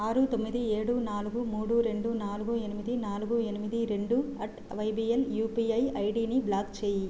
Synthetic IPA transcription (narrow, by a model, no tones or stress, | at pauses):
aːɾut̪o̞mːid̪ieːɽunaːluɡumuːɽuɾe̞ɳɖunaːluɡuenimid̪inaːluɡuenimid̪iɾe̞ɳɖuɐʈ | ʋɐjbieljuːpiɐjɐjɖiːniblaːɡt͡ʃeːji